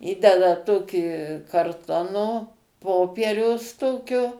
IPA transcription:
ˈiːdʲɛdɐ ˈtoːkʲiː kɐrˈtoːnoː ˈpoːpʲiɛrʲɛʊs ˈtoːkʲoː

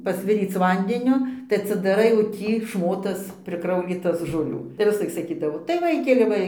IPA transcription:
pɐsʲˈʋʲɪrʲiːt͡s ˈʋɐnʲdʲɛnʲoː tɐɪ ɐtʲsʲɪdɐˈrɐɪ oː ˈtʲiː ˈʃmoːtɐs pʲrʲɪˈkrɐʊlʲiːtɐs ʒoːˈlʲuː tɐɪ ʋʲɪsˈlˠɐɪk sɐˈkʲiːdɐʋoː tɐɪ ˈʋɐɪkʲɛlʲɪ ˈʋɐ

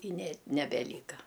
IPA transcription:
ɪ nʲɛ nʲɛbʲɛˈlʲiːkɐ

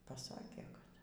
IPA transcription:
pɐˈsɑːkʲeː kɐt

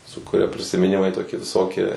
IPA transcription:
sʊ kʊˈrʲɛ pʲrʲɪsʲɪmʲɪˈnʲɪmɐɪ ˈtoːkʲiɛ ʋʲɪˈsoːkʲiɛ

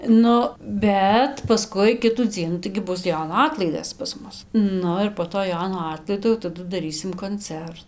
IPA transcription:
ˈnʊ ˈbʲɛt pɐˈskʊɪ ˈkʲɪtuː ˈd͡zʲiɛnuː tɐɪɡʲɪ ˈbʊs ˈjoːnoː ˈɑːtlˠɐɪdɐs pɐs ˈmʊs ˈnʊ ɪr poː ˈtoː ˈjoːnoː ˈɑːtlˠɐɪdoː jɛʊ tɐˈdʊ dɐˈrʲiːsʲɪm koːnʲˈt͡sʲɛr

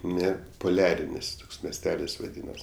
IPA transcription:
ˈnʲɛ pʊˈlʲæːrʲɪnʲɪs ˈtoːks mʲɛsʲˈtʲæːlʲɪs ʋɐˈdʲiːnɐs

